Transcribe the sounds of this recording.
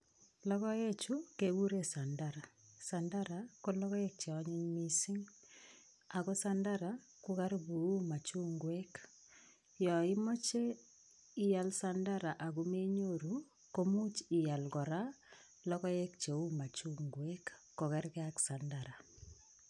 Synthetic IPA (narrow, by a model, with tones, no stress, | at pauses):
lɔ˦kɔ˦je˦t͡ʃu˦ke˨wu˦ɾe˦sa˨ndaɾa˨sa˨ndaɾa˨ko˦lɔ˦kɔ˦e˦k̚t͡ʃe˨ɔ˦ɲɪ˦ɲmi˦sɪ˦ŋ | a˨ko˦sanda˦ɾa | ku˦ka˦ɾbu˨u˦ma˨t͡ʃu˦ŋɡwe˦k | jɔ˨ɪ˦mo˦t͡ʃe˦ | i˦ja˨lsanda˦ɾa˨ʔa˨ɣu˦me˦ɲoɾu | ko˦mu˦t͡ʃi˨ja˨lɡɔ˨ɾa˦ | lɔ˦kɔ˦e˦k̚t͡ʃe˨u˦ma˨t͡ʃu˦ŋɡwe˦kː | ɔ˨ka˦ɾkɛ˦a˦ksa˨ndaɾa˨